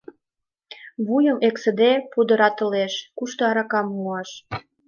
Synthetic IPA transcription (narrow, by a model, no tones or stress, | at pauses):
βujəmeksə̆d̪epud̪ə̆ɾɑt̪ə̆leʃkuʃt̪oɑɾɑkɑmːuɑʃ